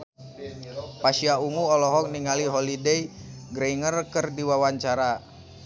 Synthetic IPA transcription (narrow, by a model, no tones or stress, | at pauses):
paʃiauŋuɔlɔɦɔk̚niŋaliɦɔlideiɡɾeŋərkərdiwawaɲt͡ʃaɾa